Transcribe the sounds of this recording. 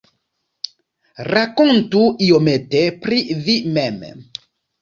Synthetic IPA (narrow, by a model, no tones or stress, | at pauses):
rakontuiometepɾivimɛm